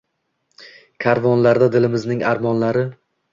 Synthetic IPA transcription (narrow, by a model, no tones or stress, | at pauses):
kʲʰaɾvɒnlaɾd̪ad̪ɪlɪmɪznɪŋaɾmɒnlaɾɪ